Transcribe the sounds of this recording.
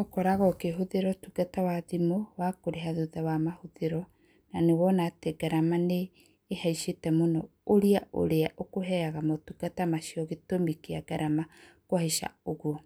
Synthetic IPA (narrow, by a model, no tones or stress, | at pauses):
okɔɾaɣɔkeɦoðeɾɔtuɡ̥atawaðimowakoɾeɦaðuðawamahoðeɾɔ | nanewɔnaːteɡaɾamaneː | haiʃetɛmonɔ | oɾiaʔo̰ɾeaʔokoɦɛaɣamotuɡ̥atamaʃiɔɣetomikeaɡaɾamakwaheʃa̰oɣo